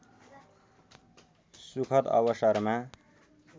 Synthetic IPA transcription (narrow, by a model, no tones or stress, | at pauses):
sukʰʌt̪ʌ̰bʌsʌɾma